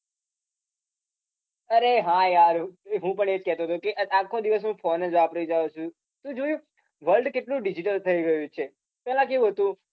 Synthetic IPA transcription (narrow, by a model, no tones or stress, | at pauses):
əɾeɦãjaɾɦũpəɳed͡ʒkɛɦt̪oɦət̪okeʔakʰod̪iʋəsɦũfoned͡ʒapɾəid͡ʒaot͡ʃʰũ | t̪ũd͡ʒojũ | ʋəlɖkeʈlũɖid͡ʒiʈəlt̪ʰəiɡəjũt͡ʃʰe | pɛlãk̬eʋũɦət̪ũ